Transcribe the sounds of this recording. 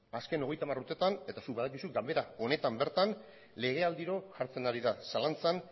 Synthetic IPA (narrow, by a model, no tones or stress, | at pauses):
aske̞no̞ɣ̞e̞jt̪amaruɾt̪e̞t̪ane̞t̪asuk̚baðak̬isuɡambe̞ɾao̞ne̞t̪ambe̞ɾt̪an | le̞ɣ̞e̞ald̪iɾo̞ʝaɾt͡se̞naɾiðasalant͡san